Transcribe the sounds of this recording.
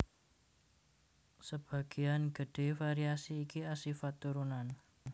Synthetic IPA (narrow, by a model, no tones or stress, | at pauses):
səb̥a̤ɡ̥ijanɡ̥əɖ̥e̤faɾiasiːkiasifat̪ːuɾunan